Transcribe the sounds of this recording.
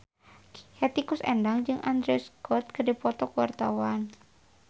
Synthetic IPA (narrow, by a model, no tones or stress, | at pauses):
hɛt̪ikʊsɛ̰ndaŋd͡ʒɨŋʔand̪ɾɛskɔt̪̚kədipɔt̪ɔkuwa̰rt̪awan